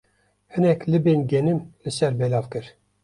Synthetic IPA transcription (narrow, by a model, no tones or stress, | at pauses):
hɨnɛklɨbeːnɡɛnɨmlɨsɛɾbɛlɑːvkɨɾ